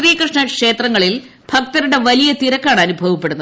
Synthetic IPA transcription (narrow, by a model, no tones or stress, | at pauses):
riːjɐkrɨʂɳɐkʂe̞ːt̪rɐŋːɐɭil | bʱɐk̚t̪ɐɾuɽe̞ʋɐlijɐt̪iɾɐkːaːɳɐnubʱɐʋɐpːe̞ɽunːɐ